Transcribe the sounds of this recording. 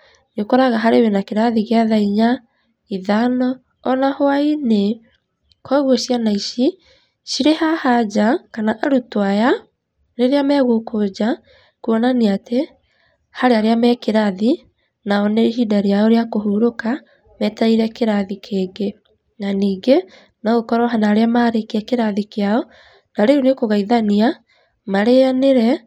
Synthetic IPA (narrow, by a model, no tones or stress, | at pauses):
ɲokɔɾaɣaɦaɾewenakeɾaðiɣeaðaiɲa | iðanɔ | ɔnahoaine | kwaɣwɔɕianaiʃi | ʃiɾehahad͡ʑakanaʔaɾutwaja | neɾeamɛɣokod͡ʑa | kuɔnaniate | haɾeaɾeamɛkeɾaði | naɔneɦidaɾiaoɾeakoɦuɾoka | mɛtaiɾɛkeɾaðikʰeːɡe | naniːɡe | naɣokɔɾɔɦanaɾeamaɾekiakeɾaðikeaɔ | naɾeɾunekoɣaiðania | maɾeaneɾɛ